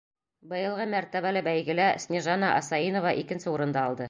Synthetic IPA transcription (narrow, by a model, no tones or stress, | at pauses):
bɤ̆jɤ̆lˠʁɤmæɾt̪æβælɘbæjɡɘ̆læsʲnʲeʒɑnɑʔɑsɑinovɑʔikɘ̆nsɘuɾɤ̆nd̪ɑːlˠd̪ɤ